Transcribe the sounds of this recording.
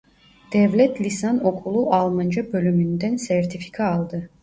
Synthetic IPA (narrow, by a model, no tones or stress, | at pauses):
d̪̥ɛvlʲɛt̪ʰlʲisano̞kʰulˠuʔalˠmand͡ʒabø̞lʲymynd̪ænsæɾt̪ʰifi̥kʰaːlˠd̪ɯ